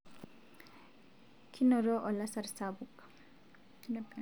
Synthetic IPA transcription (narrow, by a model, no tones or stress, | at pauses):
kʰinɔɾɔʔɔlasaɾsabuk